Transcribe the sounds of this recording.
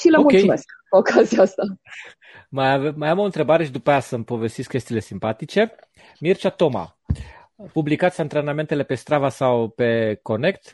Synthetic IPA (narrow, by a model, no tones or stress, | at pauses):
ʃiləomukʲejmesokʰaziaast̪a | məjavemːajamo̞ɨnt̪ɾe̞baɾe̞ʃid̪upajasəmpo̞ve̞st̪isʲkʲe̞st̪iːle̞simpat̪it͡ʃe̞ | mirt͡ʃat̪o̞ma̰ | publikat̪sʲant̪ɾename̞nt̪ele̞pe̞st̪ɾavasawpe̞ko̞ne̞kt̪